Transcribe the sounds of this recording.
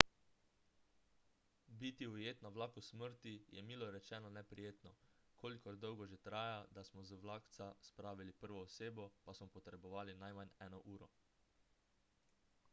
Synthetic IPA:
bit̪iujeːt̪naʋlaːkusməɾt̪ijɛmiːlɔɾɛt͡ʃɛːnɔnɛpɾijeːt̪nɔ | kʰoːlikɔɾd̪ɔwɡɔʒet̪ɾaːjad̪asmɔzʋlaːkt̪saspɾaːʋilipəɾʋɔːseːbɔpasmɔpɔt̪ɾɛbɔʋaːlinajmanɛːnɔʔuːɾɔ

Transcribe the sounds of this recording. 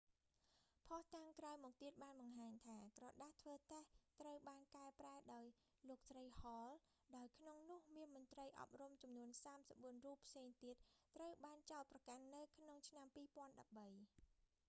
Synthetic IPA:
pʰɑht̪aŋkrawmɔːk̚t̪iət̪̚ɓaːnɓɑŋɦaːɲt̪ʰaːkrɑːɗaht̪ʰʋəːt̪eht̪rəwɓaːnkaɛpraɛɗaɔj | loːk̚srəjhɑːl | ɗaɔjkʰnoŋnʊ̆əhmiənmʊ̆ənt̪rəjʔɑ̰p̚rumt͡ɕɑmnuənsaːmsəp̚ɓuənruːpʰseːŋt̪iət̪̚ːrəwɓaːnt͡ɕaɔlt̪̚prɑkanːɨwkʰnoŋt͡ɕʰnampiːpŏənɗɑp̚ɓəj

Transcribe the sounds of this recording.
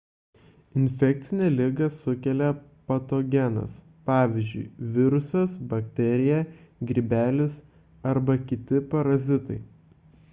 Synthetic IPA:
ɪnʲfʲɛk̚t̪sʲɪnʲɛːlʲɪɡɐsʊkʲɛlʲɛpɐt̪oɡʲɛnɐ̰s | pɑːʋʲɪzʲd͡ʒʲʊ̰ɪʋʲɪɾʊsɐsbɐkt̪ʲɛɾʲɪjɛɡʲɾʲibʲæːlʲɪs | ɐɾbɐkʲɪt̪ʲɪpɐɾɐzʲɪt̪ɐɪ

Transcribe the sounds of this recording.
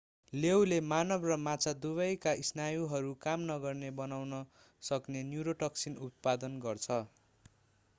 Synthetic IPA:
lewlemanʌbrʌmat͡sʰad̪uβʌjkaʔisnajuɦʌɾukamnʌɡʌrnebʌnawnʌ | sʌknenjuɾoʈʌksinut̪̚pad̪ʌnɡʌrt͡sʰʌ

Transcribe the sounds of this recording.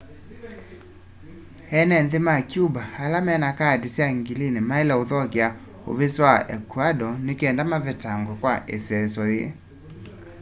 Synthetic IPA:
ɛnɛnðemakjubahalamɛnakadisjaŋɡilinemaelɛoðɔkea | o̰βeswaʔɛ̰kwadɔnekɛndamavɛtaŋɡɔkwaʔesɛsɔje

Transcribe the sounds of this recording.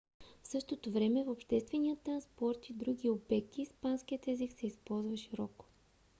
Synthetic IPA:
fsɤʃt̪ot̪ovɾɛmɛfopʃt̪ɛst̪vɛniət̪ːɾɐnspɔɾt̪id̪ɾuɡ̟iobɛk̚t̪iːspansk̟iət̪ɛziksɛispɔlˠzvəʃiɾɔko̥

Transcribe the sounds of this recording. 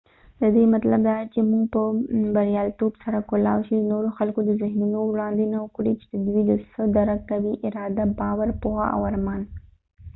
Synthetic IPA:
d̪əd̪emat̪labd̪ɑt͡ʃemuɡpəbaɾjɑlt̪obsaɾakolɑ̰wʃunoɾoxalkod̪əzɪɦnunowɽɑnd̪enaʊkɽit͡ʃe̥d̪əd̪wid̪əsəd̪aɾakkawiʔɪɾɑd̪abɑwaɾpohaa̰waɾmɑn

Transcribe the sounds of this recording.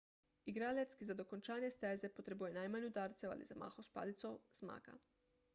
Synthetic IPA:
iɡɾaljat̪skizad̪o̞kont͡ʃaːnjest̪eze̞pot̪ɾebujenajmaɲud̪aːɾt̪sewa̰lḭzama̰ːxospa̰ːlit̪soz̥ma̰ːka̰

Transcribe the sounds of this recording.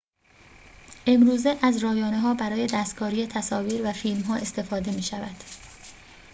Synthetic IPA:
ʔe̞mɾuːze̞ʔæzɾɒːjɒːne̞ɦɒːbæɾɒːje̞d̪æːst̪̚ɡ̥ɒːɾiːjet̪ʰæsɒːviːɾvæfiːlmɦɒːʔe̞st̪ʰe̞fɒːd̪e̞miːʃævæd̪̥

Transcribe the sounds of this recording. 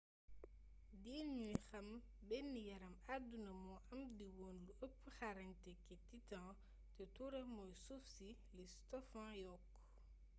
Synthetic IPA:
diːlɲujxɐm | bɛnːijɐɾɐmadunɐmɔʔɐmdiwɔːnluəpːxaɾɐɲtɛkːɛtitãː | tɛtuɾɐmɔjsufsi | listɔfãːjɔk

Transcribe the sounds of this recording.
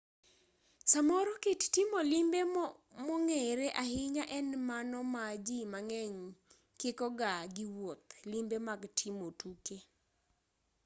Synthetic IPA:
samɔɾɔkittimolɪmbemɔŋɛɾeʔahɪɲaʔɛnmanɔmad͡ʒimaŋɛɲ | kɪkɔɡaɡɪwot̪limbemaɡtʰimotuke

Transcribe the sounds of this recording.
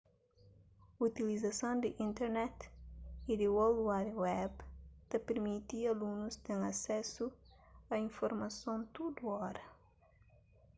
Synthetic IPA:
ut̪ilizɐsõnd̪ɪʔĩnt̪ɛɾnɛt̪id̪iwoluwadwɛbt̪ɐpeɾmit̪iɐlunust̪ẽŋɐsɛsu | ɐĩnfoɾmɐsõnt̪ud̪uɔɾɐ

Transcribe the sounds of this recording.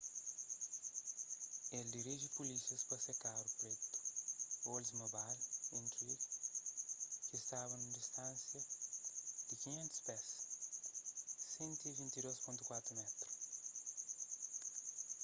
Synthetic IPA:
eld̪iɾiʒipulisiɐspɐsekaɾupɾet̪u̥olzmobalĩnt̪ɾiɡ | kɪːst̪avɐnũd̪ist̪ãnsjɐ | d̪̥ɪkiɲẽnt̪u̥spɛs | sẽnt̪uivĩnt̪id̪ospõnt̪ukwat̪ɾumɛt̪ɾu

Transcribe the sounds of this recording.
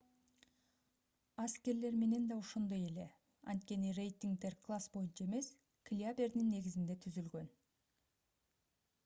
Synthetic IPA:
askʲe̞ɾle̞ɾme̞ne̞nd̪ɑoʃond̪ɑje̞le̞ | ɑ̰nt̪̚kʲe̞nɪre̞jt̪iŋɡ̚d̪e̞ɾkʰlˠasbo̞jənt͡ʃʰɑe̞me̞s | kʰlʲiabe̞ɾd̪ɪnːe̞ɡʲɪzɪnd̪e̞t̪ʰʏzʏlɡʲø̞n

